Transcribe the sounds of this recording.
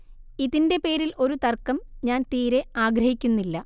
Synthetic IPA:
iðinde̞pe̞ːɾilʔo̞ɾut̪ɐrkːɐmɲaːnt̪iːɾe̞aːɡɾɐhikʲːunːilːɐ

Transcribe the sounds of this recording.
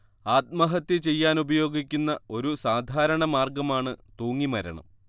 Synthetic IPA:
aːt̪̚mɐɦɐt̪ːit͡ɕe̞jːaːnubɐjo̞ːɡikʲːunːɐo̞ɾusaːd̪ʱaːɾɐɳɐmaːrɡɐmaːɳɨt̪uːŋːimɐɾɐ̰ɳɐ̰m

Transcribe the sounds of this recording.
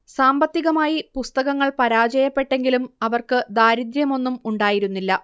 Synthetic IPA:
saːmbɐt̪ːiɣɐmaːjipust̪ɐɣɐŋːɐɭpɐɾaːd͡ʑɐjɐpːe̞ʈːe̞ŋɡilumɐʋɐrkɨd̪aːɾid̪ɾjɐmo̞nːumuɳɖaːjiɾunːilːɐ

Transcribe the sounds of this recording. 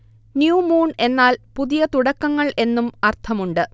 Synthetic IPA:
njuːmuːɳe̞nːaːlpuðijɐt̪uɽɐkːɐŋːɐɭʔe̞nːumɐrt̪ʰɐmuɳɖɨ

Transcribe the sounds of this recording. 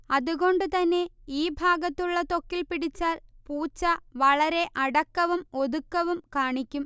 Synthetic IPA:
ɐðuɣo̞ɳɖɨt̪ɐnːe̞iːbʱaːɡɐt̪ːuɭːɐt̪o̞kːilpiɽit͡ɕːaːlpuːt͡ɕːɐʋɐɭɐɾe̞ʔɐɽɐkːɐʋumo̞ðukːɐʋumkaːɳikʲːum

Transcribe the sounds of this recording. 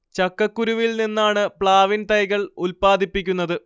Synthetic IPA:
t͡ɕɐkːɐkːuɾuʋilninːaːɳɨpɭaːʋint̪ɐjɣɐɭulpaːd̪ʱipːikʲːunːɐðɨ

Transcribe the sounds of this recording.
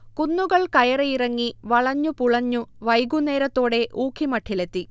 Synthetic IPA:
kunːuɣɐɭkɐjɐrejirɐŋːiʋɐɭɐɲːupuɭɐɲːuʋɐjɡune̞ːɾɐt̪ːo̞ːɽe̞ʔuːkʰːimɐʈʰːilet̪ːi

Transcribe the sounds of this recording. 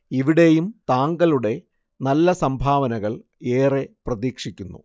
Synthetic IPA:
iʋiɽe̞jumt̪aːŋɡɐluɽe̞ | nɐlːɐsɐmbʱaːʋɐnɐɣɐɭ | e̞ːre̞prɐðiːkʂikʲːunːṵ

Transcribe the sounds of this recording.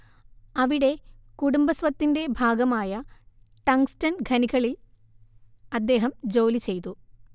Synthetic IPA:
ɐʋiɽe̞kuɽumbɐsʋɐt̪ːinde̞bʱaːɡɐmaːjɐ | ʈɐŋstɐnɡʱɐniɣɐɭil | ɐd̪ːe̞ːɦɐmd͡ʑo̞ːlit͡ɕe̞jt̪u

